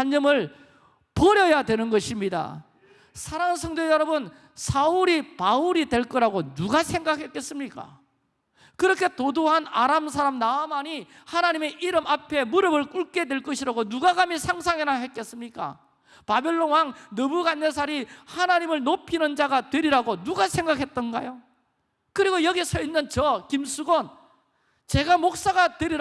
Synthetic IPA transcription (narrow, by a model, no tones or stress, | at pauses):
aɲːʌmɯɭ | pʌɾjʌjadwe̞nɯnɡʌɕʰimɲida̰ | sʰaɾaŋnsʰʌŋdwejʌɾʌbɯn | sʰauɾipauɾidwe̞ɭk͈ʌɾaɡonuɡasʰe̞ŋɡakʰe̞k͈e̞s͈ɯmɲik͈a̰ | kɯɾʌkʰe̞todoɦanaɾamsʰaɾamnaʌmaɲi | hanaɲime̞ʔiɾɯmapʰe̞muɾʌbɯɭk͈uɭk͈e̞dwe̞ɭk͈ʌɕʰiɾaɡonuɡaɡamisʰaŋsʰaŋenaɦet̚k͈es͈ɯmɲik͈a̰ | pabe̞ɭːonwaŋnʌbuɡanːes̬ʰaɾihanaɲimɯɭnopʰinɯnd͡ʑaɡatwe̞ɾiɾaɡonuɡasʰe̞ŋɡakʰe̞t̚t͈ʌnɡajo | kɯɾiɡojʌɡisʰʌinːɯnt͡ɕʌkimsʰuɡon | t͡ɕe̞ɡamok̚s͈aɡatwe̞ɾiɾ